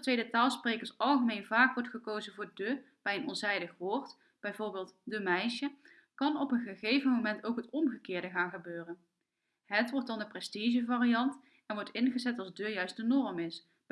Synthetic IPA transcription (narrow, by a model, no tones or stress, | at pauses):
tʋejdətaːlˠsprejkəɹsɑlˠχəmenvaːkʋɔɹtχəkowzənvʊːɹdøb̥ɛjənɔ̰nzɛjdəχʋʊɹt | b̥ɛjvʊːɹbɪːlˠtdəmɛjʃə | kɑnɔpənχəχejvənmowmɛntowkɦətɔmχəkɪːɹdəχaːnχəbøːrən | ɦətʋɔɹt̚dɑndəprɛstiʒəvaːrijɑnt | ɛnʋɔɹtɪnχəzɛtɑlˠzdøjœɥst̚dənɔrmɪs